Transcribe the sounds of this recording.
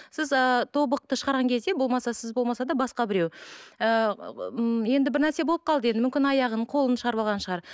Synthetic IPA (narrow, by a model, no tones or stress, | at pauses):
sɪzət̪ʰo̞bəq̚t̪əʃəʁɑɾʁɑŋkʲʰe̞zd̪e̞bo̞lˠmɑsɑsɪzbolˠmɑsɑd̪ɑbɑsqɑbɪɾe̞wə | je̞nd̪ɪbɪɾnæɾse̞bo̞lˠəp̚qʰɑlˠd̪əje̞nd̪ɪmʏmʲkʲɪnɑjɑʁəɴqʰo̞lˠənʃəʁɑɾbɑlˠʁɑnʃəʁɑɾ